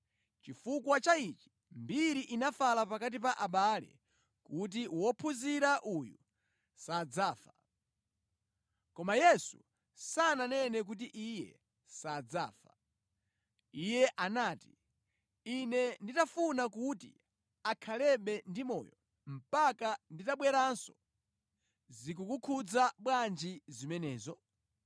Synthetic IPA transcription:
t͡ʃifukwat͡ʃait͡ʃi̥ | mbiɾiʔinafalapakat̬ip̬aʔaɓalɛ̰ | kut̬iwɔpʰuziɾaʔuju | sad͡zaːfa | kɔmajɛsu | sananɛnɛk̬ut̬iʔijɛ̰ | sad͡za̰ːfa | ijɛʔanaːti̥ | inɛnditafunakutḭ | akʰalɛɓɛndimɔ̰ːjɔ | m̩pakanditaɓwɛɾansɔ | zikukukʰud͡zaɓwand͡ʒizimɛnɛːzɔ

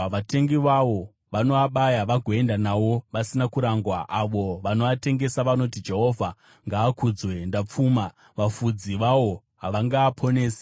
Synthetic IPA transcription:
ʋate̞ŋɡiʋaʋo̞ | ʋano̞aɓajaʋaɡʱo̞e̞ndanaʋo̞ʋasinakuɾaŋɡwaʔaʋo̞ʋano̞ate̞ŋɡe̞saʋano̞tid͡ʒe̞ɦo̞vʱa | ŋɡaːkud͡zwe̞ndap͡fuːma | ʋafud͡ziʋawo̞ | ɦaʋaŋɡaːpʰo̞ne̞ːse̥

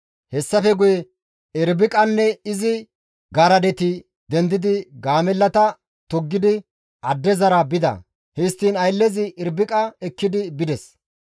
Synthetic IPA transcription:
hɛsːɐfɛɡʊjɛ | ɪɾbɪkʼɐnːɛɪzɪ | ɡɐɾɐd̪ɛt̪ɪ | d̪ɛnd̪ɪd̪ɪɡaːmɛlːɐt̪ɐ | t̪ɔɡːɪd̪ɪ | ʔɐd̪ːɛzɐɾabɪd̪ɐ̰ | hɛst̪ːiːnɐjlːɛzɪʔɪɾbɪkʼɐɛkːɪd̪ɪbɪd̪ɛs

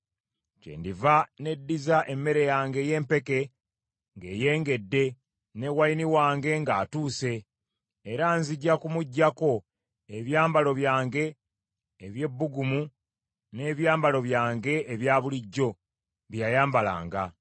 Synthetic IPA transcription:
cḛːndivane̞dːizaʔe̞mːe̞ɾe̞jaːŋɡe̞je̞ːmpe̞ke̞ | ŋɡe̞ːje̞ːŋɡe̞dːe̞ | newajiniwaːŋɡe̞ŋɡaːtuːse̞ː | ɾaːnziɟːakumuɟːako̞ | eβjaːmbalo̞βjaːŋɡe̞ː | βje̞bːuɡumu | ne̞ːβjaːmbalo̞βjaːŋɡe̞ʔeβjaːβuliɟːo̞ | βjajaːmbala̰ːŋɡa

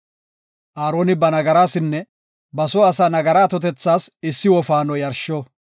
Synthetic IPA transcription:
ʔaːɾo̞ːnɪbɐnɐɡɐɾaːsɪnːɛ | bɐsɔɐsaːnɐɡɐɾaːt̪ɔt̪ɛt͡sːaːsɪsːɪwɔfaːnɔjɐɾʃɔ

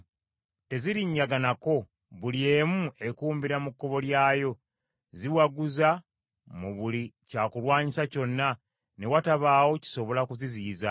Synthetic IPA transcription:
te̞ziɾiɲːaɡanako̞ | βulje̞ːmue̞kuːmbiɾamukːo̞βo̞ljaːjo̞ | ziwaɡuza | muβulicakulwaːɲisaco̞nːa | ne̞wataβaːwo̞ci̥so̞βo̞lakuziziːza

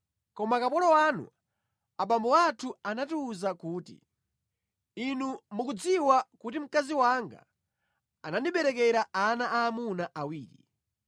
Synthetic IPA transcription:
kɔmakapɔlɔwanṵ | aɓambɔwatʰuanatiːzakuːtḭ | inumukud͡ziwakutim̩kaziwaŋɡa̰ | anandiɓɛɾɛk̬ɛɾaanaʔaːmunaʔawiːɾi

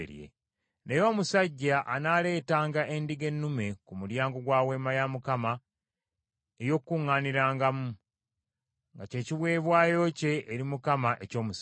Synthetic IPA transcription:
ɾjḛ | nejo̞ːmusaɟːaʔanaːle̞ːtaːŋɡaʔendiɡe̞nːume̞kumuɾjaːŋɡoɡwaːwe̞ːmajamukama | ejo̞kːuŋːaːniɾaːŋɡamu | ŋɡace̞ːciβwe̞ːβwaːjo̞ce̞ʔːɾimukamaʔeco̞ːmus

